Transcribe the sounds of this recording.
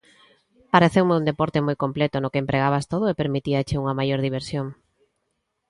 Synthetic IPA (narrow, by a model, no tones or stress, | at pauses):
paɾeθewmeund̪epoɾt̪emojkomplet̪ʊnʊkempɾeɣaβast̪oðʊepeɾmit̪iat͡ʃeuŋɐmajoɾðiβ̞eɾsjoŋ